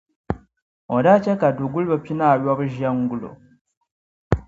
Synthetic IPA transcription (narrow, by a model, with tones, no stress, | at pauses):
o˨da˦ca˦ka˨du˨ɡu˦li˦βa˦pi˦na˦˨ɾja˦βu˦ʒa˦ŋɡu˦lo̰˨